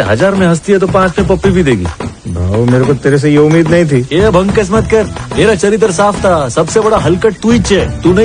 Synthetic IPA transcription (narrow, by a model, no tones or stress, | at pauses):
ɦɐ̰d͡ʒaːɾmẽɦɐs̬t̪iɦɛt̪̬opãːt͡ʃmẽpɐpːibʱid̪eːɡḭːbʱa̰ːomeːɾekot̪eːɾes̬ejeʊmiːd̪nɐɦĩt̪ʰiːeːbʱɐ̃ŋɡkɐs̬mət̪kɐɾmeːɾat͡ʃɐɾɪt̪̬ɾsaːpʰt̪ʰasɐbsebɐɽaɦɐlkəʈ̚ʈ̪uiːt͡ʃɛːt̪unɐ